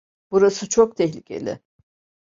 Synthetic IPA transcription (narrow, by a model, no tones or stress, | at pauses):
b̥uɾasɯt͡ʃʰok̚t̪ʰɛçlʲicʲʰe̞̰lʲɪ̰